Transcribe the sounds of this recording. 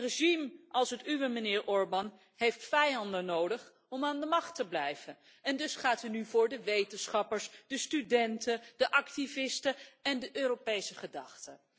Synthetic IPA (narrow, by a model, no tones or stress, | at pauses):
reʒimʔɑlˠsətyʋəmənɪːɹʔɔɹbɑn | hejftfɛjɑndənowdəχ | ɔmaːndəmɑχtəblɛjvən | ɛndɵsχaːtɦənyvʊːɹdəʋejtənsχɑpəɹsd̥əstydɛntəd̥əʔɑktivɪstəɛndəʔøːɾopejsəχədɑχtə